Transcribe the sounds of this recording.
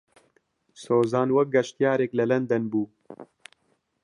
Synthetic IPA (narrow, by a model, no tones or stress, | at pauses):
soːzaːnwɐk̚ɡɐʃt̪jaːɾeːklɐlɐnd̪ɐnbuː